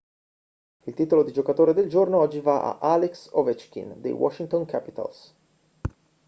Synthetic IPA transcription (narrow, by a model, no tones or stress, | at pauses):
ilt̪iːt̪olod̪id͡ʒokat̪oːɾed̪eld͡ʒornoɔd͡ʒːivaʔa̰ʔaleksovet͡ʃkḭnd̪ḛjwɔ̰ʃːiŋt̪oŋkʰapit̪a̰ls